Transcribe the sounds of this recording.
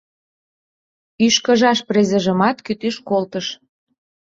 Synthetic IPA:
yʃkə̆ʒɑʃprezə̆ʒə̆mɑt̪kyt̪yʃkolt̪əʃ

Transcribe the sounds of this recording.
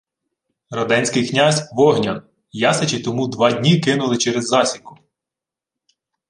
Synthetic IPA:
rɐd̪ɛnʲsʲkɪjknʲazʲʋɔɦnʲɐn | jɑset͡ʃɪt̪ɔmud̪ʋɑdʲnʲikɪnʊlˠɪt͡ʃɛɾezːɑsʲikʊ̥

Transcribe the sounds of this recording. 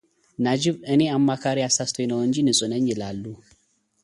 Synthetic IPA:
nad͡ʒibəniamːakaɾijasast̪ʰojnɐwɐnd͡ʒinisʼʊnɐɲjilalːu

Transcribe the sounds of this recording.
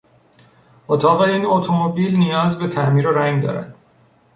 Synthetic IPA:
ot̪ʰɒːɣeiːnot̪ʰomobiːlnijɒːzbe̞t̪ʰæʔmiːɾoɾæŋɡd̪ɒ̰ːɾæ̰d̪̥

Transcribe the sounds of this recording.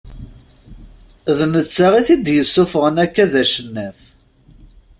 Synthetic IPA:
ðnət͡sːaʁiθid̪jəsːʊfəʁənækːæðæʃənːæf

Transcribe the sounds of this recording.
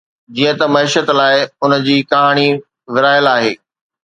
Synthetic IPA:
d͡ʑiə̃t̪ɐmɐiːʃət̪laːɪʊnd͡ʑiːkɐɦaːɽ̃i | ʋɪɾaːjəlaːɦeː

